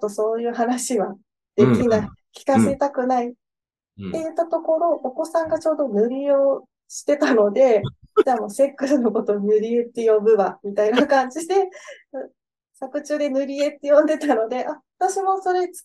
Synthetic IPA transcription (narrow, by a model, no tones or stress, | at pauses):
oso̞ːjɯ̟ːɦanaɕiβa | d̪̥e̞kʲinaikʲi̥kase̞t̪akɯ̟nai | t̪ːe̞jɯ̟t̪ːat̪o̞ko̞ɾo̞ʔːko̞sãŋɡat͡ɕo̞ːd̪o̞nɯ̟ɾʲio̞ː | ɕi̥t̪e̞t̪ano̞d̪e̞d͡ʑaːmo̞ːse̞kːɯ̟sɨno̞ko̞t̪o̞nɯ̟ɾʲiet̪ːe̞jo̞bɯ̟βamʲit̪ainakãɲ̟d͡ʑid̪e̞ | sakɯ̟t͡ɕɨːd̪e̞nɯ̟ɾʲie̞t̪ːe̞jõ̞nd̪e̞t̪ano̞d̪e̞ʔaβat̪aɕimo̞so̞ɾe̞t͡s